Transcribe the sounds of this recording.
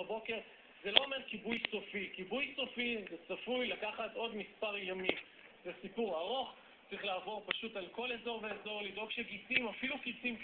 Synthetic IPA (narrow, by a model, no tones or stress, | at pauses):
bo̞ke̞ʁ | ze̞lo̞ome̞ʁkibujso̞fikibujso̞fizet͡safujlakaχat̪o̞d̪mispaʁjamim | zesipuʁaʁo̞χ | t͡sʁiχlaːvo̞ʁpaʃut̪alko̞lezo̞ʁveezo̞ʁlid̪o̞ɡʃeɡit͡simafilukit͡sim